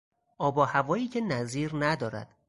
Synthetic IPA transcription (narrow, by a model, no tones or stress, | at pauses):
ʔɒːbɒːhævɒːjiːcʰe̞næziːɾnæd̪ɒːɾæ̰d̪̥